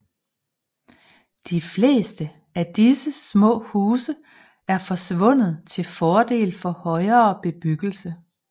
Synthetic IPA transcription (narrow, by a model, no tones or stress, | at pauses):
d̥ifle̝̰ːsd̥ə | æd̥isəsmɔ̰̽ːhuːsə | æɐfɒ̽sʋɔ̽n̰ð̩ˠt͡sʰe̝lfɒːd̥e̝̰ːlfɒ̽hɒ̽ɪɐːb̥e̝b̥yɡ̥l̩sə